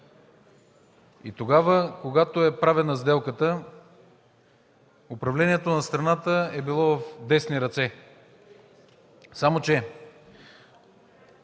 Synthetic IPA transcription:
ḭt̪oɡavəkoɡat̪oɛpɾavɛnɐzd̪ɛlˠkət̪ə | ʊpɾɐvlɛniɛt̪onɐst̪ɾɐnat̪əɛbilˠɔvəfd̪ɛsniɾɐt̪sɛ | samot͡ʃɛ

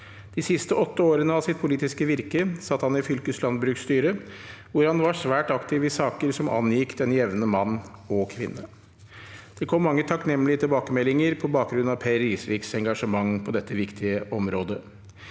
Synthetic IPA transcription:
d̪̥ɪsɪst̪əɔt̪ːəoːɾənəɑʋsɪt̪pʰʊliːt̪ɪskəʋɪɾkəsɑt̪ːhɑnɪfʏlkəslɑnd̪bɾʉːkst̪yːɾəʋʊɾhɑnʋɑʂʋæːʈɑkt̪ʰɪʋɪsɑːkəɾsɔmɑ̰njɪkd̪ɛnjɛʋnəmɑnːɔkʰʋɪnːə | d̪̥ɛkʰɔmːɑŋːət̪ʰɑknɛmːlɪət̪ɪlbɑːkəmɛlːɪŋəɾpʰɔbɑːk̚ɡɾʉn̩ɑʋpʰæɾiːsʋɪːksɛŋɡɑʂəmɑŋːpʰɔd̪ɛt̪ʰːəʋɪkt̪ʰɪəʔɔmɾoːd̪ə

